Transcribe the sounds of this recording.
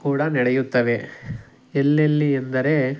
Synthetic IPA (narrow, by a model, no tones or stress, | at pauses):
kuːɽɐnɐɽejut̪ːɐʋe̞ | elːelːiend̪ɐɾe̞